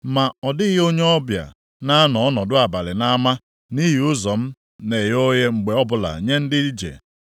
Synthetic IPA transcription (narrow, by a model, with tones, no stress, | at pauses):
ma˨ɔ˨dɪ˦ɦo˦ɲe˦ɔ˦bja̰˨ | na˦nɔ˨ɔ˦nɔ˨dʊ˦a˨ba˨lɪ˨na˦ma˦ | ni˦ɦi˨ʊ˦zɔ˨m̩˦ | ne˨ɦo˦je˦ŋ͡m̩˨ɡ͡be˨ɔ˦bʊ˨la̰˨ɲe˦n̩˦dɪ˦i˦d͡ʒḛ˨